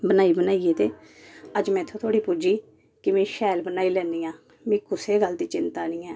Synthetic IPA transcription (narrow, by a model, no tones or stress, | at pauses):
bənaːiːbənaːijeːt̪eː | əd͡ʒmɛ̃ːɪt̪ʰːõːt̪ʰoːɽiːpʊd͡ʒiː | kɪmẽːʃɛːlbənaːiːlɛ̃ːnd̪iːãː | mĩːkʊseːɡəld̪iːt͡ʃɪnt̪aːnĩːɛː